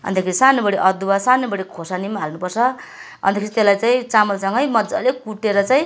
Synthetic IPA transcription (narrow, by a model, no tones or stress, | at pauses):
ʌ̰nt̪akʰeɾisanobʌɽeʔʌd̪ubasanobʌɽekʰosanimaɦalnupʌrt͡sʰʌ | ʌ̰nt̪akʰeɾit̪elajt͡saĩt͡samʌlsʌŋɡʌjmʌd̪d͡zalekuʈːeɾʌt͡saĩ